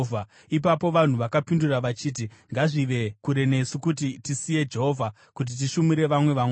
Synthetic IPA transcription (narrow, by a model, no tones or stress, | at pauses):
a | ip̬apo̞ʋan̤uʋakapinduraʋat͡ʃiːt̬iŋɡaʐiʋe̞kuɾe̞ne̞sukut̬itisije̞d͡ʒe̞ɦo̞vʱa | kut̬it̬iʃumiɾe̞ʋamwe̞ʋamw